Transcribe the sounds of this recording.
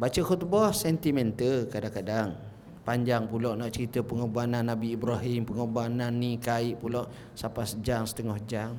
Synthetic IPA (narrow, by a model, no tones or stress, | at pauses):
bat͡ʃəxut̪̚bɔsɛnt̪imɛnt̪əlkadaŋkadaŋ | paɲd͡ʒaŋpulɔʔnaʔt͡ʃəɾit̪əpəŋobananːabiːbɾɔɦimpəŋobananːikaiʔpulɔʔ | sapasəd͡ʒaŋsə̥t̪əŋɔhd͡ʒaŋ